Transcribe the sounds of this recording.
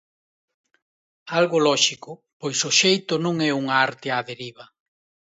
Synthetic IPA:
alɣʊlɔʃikʊpojsʊʃejt̪ʊnũŋɛuŋaaɾt̪ɪaðeɾiβɐ

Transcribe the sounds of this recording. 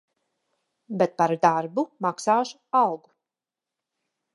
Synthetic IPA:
bɛt̪̚paɾd̪aɾbumaksaːʃu̥awɡu

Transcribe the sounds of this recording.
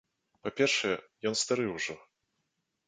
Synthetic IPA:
papʲɛrʂɛjɛjɔnst̪aɾɨwʐɔ

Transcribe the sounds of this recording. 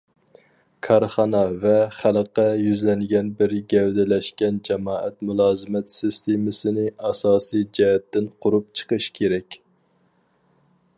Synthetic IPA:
kʰɑɾχɑnɑvɛχæləqːɛjyzlɛnɡʲɛnbɪɾɡʲɛwd̪ɛlɛʃkʲɛnd͡ʒɛmɑːʔɛt̪mulˠɑːzɨmɛt̪sɨst̪ʰemɪsɪnɪɑsɑːsijd͡ʒɛɦɛt̪ːɪnqʰʊɾup̚t͡ʃʰə̥qəʃkʲʰeɾɛkʲ

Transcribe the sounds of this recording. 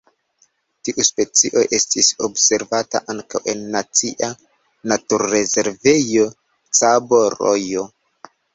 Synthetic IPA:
tiʔuspe̞t͡siʔo̞ʔe̞stisobse̞ɾvata̰ʔaŋkawʔe̞nːat͡siʔa | natuɾːe̞ze̞ɾve̞jo̞ | t͡saboɾo̰jo̞

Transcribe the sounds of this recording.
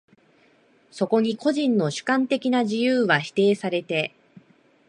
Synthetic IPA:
so̞ko̞ɲ̟iko̞ʑĩnːo̞ɕɨ̥kãnt̪e̞kʲinaʑijɯːβaçi̥t̪e̞ːsaɾe̞t̪e̞

